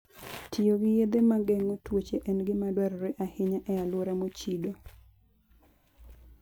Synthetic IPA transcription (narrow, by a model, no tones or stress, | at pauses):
tʰɪoɡɪjed̪emaɡɛŋotwot͡ʃeʔɛnɡɪmadwaɾɔɾeʔahɪɲaʔɛalwoɾamot͡ʃido